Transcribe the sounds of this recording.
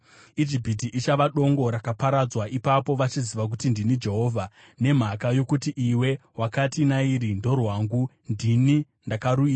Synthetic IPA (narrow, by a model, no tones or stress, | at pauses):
id͡ʒipit̬iʔit͡ʃaʋaɗo̞ŋɡo̞ɾakapaɾad͡zwaipapo̞ʋat͡ʃiziʋak̬utindinid͡ʒe̞ɦo̞ːvʱa | ne̞m̤akajo̞kutiʔiwe̞wakatinaiɾindo̞rwaːŋɡu | ndini | ndakaɾuiːa